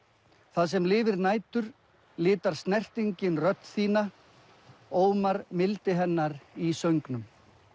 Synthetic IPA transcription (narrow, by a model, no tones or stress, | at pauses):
θaðsɛmlɪːvɪɾnaːjt̪ʏɾ̥ | lɪːt̪aɾ̥st̪nɛr̥t̪iɲcɪnrœt̪nθiːna | oːwmaɾmɪlt̪ɪɦɛnːaɾisœɥŋknʏm